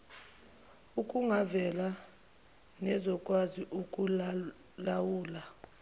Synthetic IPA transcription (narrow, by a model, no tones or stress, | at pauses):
ukʼuŋavɛla | nɛzɔkʼwaziʔukʼu | lawuːla